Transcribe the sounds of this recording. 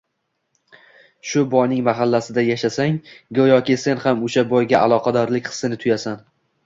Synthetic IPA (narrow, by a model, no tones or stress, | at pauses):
ʃʊbɒjnɪŋmaɦalːasɪd̪ajaʃasaŋɡojɒkʲɪse̞nhamʊʃabɒjɡʲaʔalˠɒqʰɑd̪ɒɾlɪkʲχɨ̥sːɪnɪt̪ʰʊjasan